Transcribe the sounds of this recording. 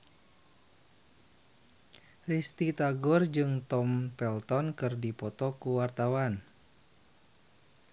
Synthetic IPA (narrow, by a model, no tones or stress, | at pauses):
rist̪it̪aɡɔrd͡ʒɨŋt̪ɔmpɛlt̪ɔnkɨrdipɔt̪ɔkuwart̪awan